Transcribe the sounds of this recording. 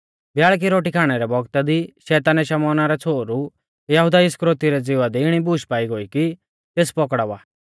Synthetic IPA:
bjaːɭk̬iɾoːʈikʰaːɽ̃ɛɾɛbɔɡt̪ad̪iʃɛːt̪aːnɛʃɐmɔːnaɾɛt͡sʰoːɾu | jɐɦʊd̪aɪskɾoːt̪iɾɛd͡zɪʋad̪ɛɪɽ̃ibuːʃpaːiɡoːiki | t̪eːspɔkɽaʋaː

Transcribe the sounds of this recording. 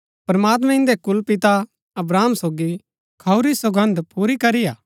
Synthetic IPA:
pɾɐmaːt̪mɛ̃ɪ̃nd̪ekʊlpɪt̪a | ɐbɾaːmsoːɡi | kʰɐuɾisoɡə̃nd̪puːɾikɐɾijaː

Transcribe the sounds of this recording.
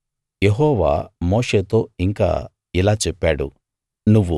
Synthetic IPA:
jeɦɔːʋa̰ːmoːʂeːt̪o̞ːiŋka̰ː | ilaːt͡ʃɛpːaːɽu | nuʋːu

